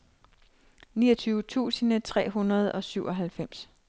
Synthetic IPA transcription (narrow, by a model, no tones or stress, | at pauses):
niːɐt͡sʰyːʊət͡sʰṵːsənət͡sʰʁɛ̰ːɦunɐð̞ˠɒ̽syʊ̰ʔɒ̽ɦælfem̰s